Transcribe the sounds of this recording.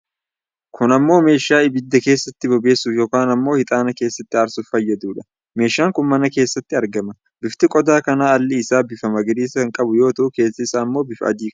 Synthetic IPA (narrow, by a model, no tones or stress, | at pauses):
kʰʊnɐmːo̞ːme̞ːʃːaːɪbɪd̪ːɐke̞ːsːɐt̪ːɪbɔbe̞ːsːufjo̞ːkaːnɐmːo̞ːhɪt̪ʼaːnɐke̞ːsːɐt̪ːɪɐɾsʊfɐjːɐd̪uːᶑɐ̥ | me̞ːʃːaːŋkʊnmɐnɐke̞ːsːɐt̪ːɪɐɾɡɐmɐ | bɪft̪ɪkʼɔd̪aːkɐnaːɐlːɪːsaːbɪfɐmɐɡɪɾiːsɐɐŋkʼɐbʊjo̞ːt̪ɐʔʊke̞ːsːɐɪsaːmːo̞ːbɪfʔɐ̰d̪iːk